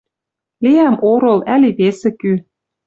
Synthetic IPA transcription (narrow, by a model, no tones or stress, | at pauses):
liæmʔoɾɤ̆læliβesĕky